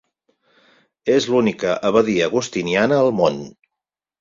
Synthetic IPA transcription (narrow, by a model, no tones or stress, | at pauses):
ezlunikəʔəβəðiəɣ̞ust̪inianəːlˠmon